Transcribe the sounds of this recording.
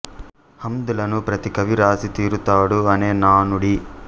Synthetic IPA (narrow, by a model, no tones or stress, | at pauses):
hɐmd̪ulɐnupɾɐt̪ikɐʋiɾaːsit̪iːɾut̪aːɽuɐneːnaːnuɽi